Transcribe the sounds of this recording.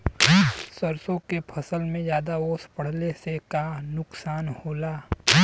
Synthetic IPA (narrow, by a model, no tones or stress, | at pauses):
səɾsõkepʰɐsəlmẽjjaːd̪aoːspəɽ̤lesekanʊksaːnhoːlaː